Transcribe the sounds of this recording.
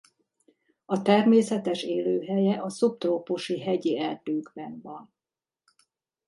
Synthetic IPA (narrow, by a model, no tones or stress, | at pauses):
ɒt̪ɛrmeːsɛt̪ɛʃeːløːɦɛjɛʔɒsup̚t̪roːpuʃiɦɛɟiɛld̪øːɡbɛnvɒn